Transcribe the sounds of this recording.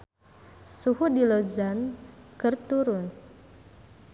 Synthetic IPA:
suhudilozankərt̪uɾʊn

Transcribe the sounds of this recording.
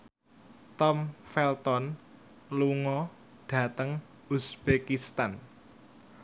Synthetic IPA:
t̪ɔmfɛlt̪ɔn | luŋɔ | ɖ̥ä̤t̪əŋ | usb̥ekist̪an

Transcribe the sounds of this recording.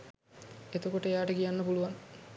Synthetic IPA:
et̪okoʈəejaːʈəkijanːəpuluʋan

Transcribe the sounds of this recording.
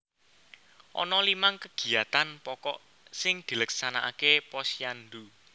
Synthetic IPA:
ʔɔ̰nɔlimaŋkəɡ̥i̤at̪anpɔkɔʔ | sɪŋd̪̥i̤ləksanaʔa̰kepɔsjand̪u

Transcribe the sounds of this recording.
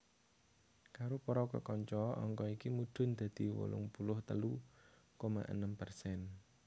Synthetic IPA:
kaɾopɔɾɔkə̰kɔɲt͡ʃɔʔɔŋkɔikimud̪̥ʊ̤nd̪̥ä̤d̪̥i̤wo̰lʊ̰ŋpulʊht̪əlukoma̰ʔə̰nəmpərsɛn

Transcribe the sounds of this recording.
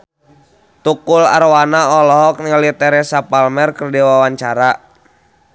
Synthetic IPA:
t̪ukula̰rwanaɔlɔɦɔk̚niŋəlit̪ɛɾɛsapalmɛrkərdiwawaɲt͡ʃaɾa

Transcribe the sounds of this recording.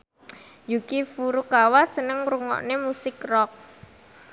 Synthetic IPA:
jukifuɾukawasənəŋruŋɔ̰ʔnemusɪkrɔk̚

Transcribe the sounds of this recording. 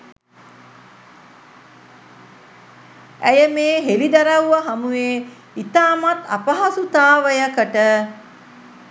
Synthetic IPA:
æjəmeːɦelid̪aɾawuʋaɦamuʋe | it̪aːmat̪a̰pəɦasut̪aːʋəjəkəʈə

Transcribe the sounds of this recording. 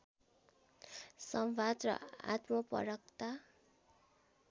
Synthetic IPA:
sʌmbad̪rʌ̰a̰t̪mʌpʌ̰ɾʌk̚t̪a

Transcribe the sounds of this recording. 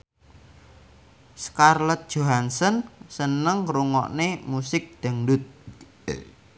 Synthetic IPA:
skarlət̪̚d̥ʒ̥oɦansənsənəŋɾuŋɔ̰ʔnemusɪk̚d̪̥ə̤ŋdʊt̪̚

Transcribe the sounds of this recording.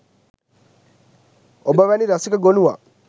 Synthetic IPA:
obaβaniɾasikaɡonuwa̰

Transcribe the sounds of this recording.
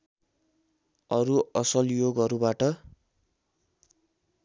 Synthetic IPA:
ʌɾuʌsʌljoɡʌɾubaʈʌ

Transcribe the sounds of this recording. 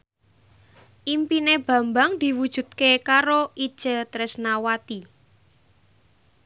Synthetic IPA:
ʔimpineb̥ä̤mbaŋd̪̥i̤wud̥ʒ̥ṳd̪̥̚kekaɾoʔid̥ʒ̥ə̤t̪ɾɪsnawat̪i

